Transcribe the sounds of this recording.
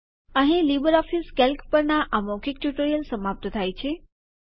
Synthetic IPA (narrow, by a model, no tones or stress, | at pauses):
ə̃ɦĩlibəɾɔfiskelkpəɾnaʔamokik̚ʈjuʈəɾijəlsəmap̚t̪ət̪ʰajt͡ʃʰe